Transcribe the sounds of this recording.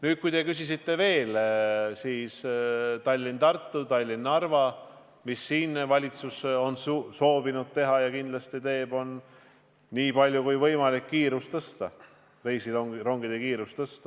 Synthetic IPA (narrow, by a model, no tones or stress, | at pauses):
nyːd̪̥̚kujt̪e̞kysisit̪ːe̞ve̞ːlsiːst̪ɑlʲːint̪ɑrt̪ːut̪ɑlʲːinːɑrvɑ | misːiːnvɑlʲit̪suso̞nsso̞ːbinud̪̥̚t̪e̞ɦɑjɑkind̪lɑst̪it̪e̞ːb̥o̞nː | iːpɑlʲjukujvɤjmɑlikːiːɾust̪ɤst̪ɑ | rejsioŋɾo̞ŋɡ̥id̪̥ekiːɾust̪ɤst̪ɑ